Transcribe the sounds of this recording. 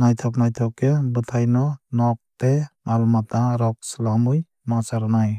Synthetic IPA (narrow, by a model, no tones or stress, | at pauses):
najt̪ʰɔk̚najt̪ʰɔkːebɯtʰajnɔnɔk̚temalɔmat̪aɾɔk̚slamɯj | masaɾnaj